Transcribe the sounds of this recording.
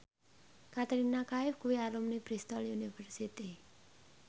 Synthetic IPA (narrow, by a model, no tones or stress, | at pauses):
kat̪ɾinːakaifkuialumnipɾist̪ɔljunibʱəɾsit̪i